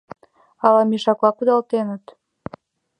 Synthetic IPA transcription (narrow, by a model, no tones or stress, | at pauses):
ɑlɑmiʃɑklɑkud̪ɑlt̪enət̪